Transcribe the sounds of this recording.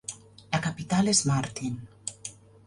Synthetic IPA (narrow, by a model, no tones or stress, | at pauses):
lakapit̪alezmaɾt̪in